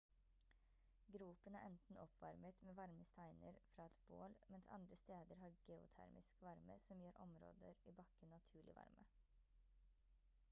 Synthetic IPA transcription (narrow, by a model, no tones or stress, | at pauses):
ɡɾuːpənæ̰ːɾʔɛnt̪n̩ɔpʰʋɑ̰ɾmət̪meːʋɑɾməst̪ʰæɪnəɾfɾɑːɛt̪b̥o̰ːlmɛnsɑ̰nd̪ɾəst̪eːd̪əɾhɑːɡeʊ̰t̪ʰæ̰ɾmʔɪskʋɑɾmə̰sɔmjøːɾʔɔmɾo̰ːd̪əɾiːbɑkːənːɑt̪ʰʉːɭɪ̰ʋɑ̰ɾmə